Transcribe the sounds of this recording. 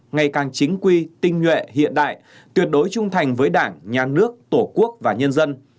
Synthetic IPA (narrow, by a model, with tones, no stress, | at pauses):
ŋa˨˩jkaː˨˩ŋt͡ɕï˨˦ŋ̟kwi˧t̪ï˧ŋ̟ɲwḛ˧˨ɦḭ˧˨ənɗa̰ː˧˨j | t̪wi˨˩ət̚ɗo˨˦jt͡ɕʊ˧ŋ͡mt̪ʰa˨˩jŋ̟vəː˨˦jɗaː˧˩ŋɲaː˨˩nɨ˦˥ək̚t̪o˧˩ku˦˥ək̚vaː˨˩ɲə˧nzə˧n